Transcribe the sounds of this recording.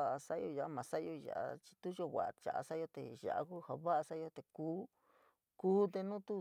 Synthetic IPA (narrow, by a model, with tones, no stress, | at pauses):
a˦ʔa˧sa˦˧jo˧a˨ʔa˧mã˨˧sa˦˧jo˧ʒa̰˨ʔa̰˧t͡ʃi̥˧t̪u˦ʒo˧˨βʷa̰˨a̰˨t͡ʃa̰˨a̰˧sa˦jo˧t̪ḛ˨ʒa̰˨ʔa̰˧ku˦ha˧βa˦a˧sa˦jo˧t̪e˨kuː˦ | kuː˦t̪e˧nũ˦t̪u˦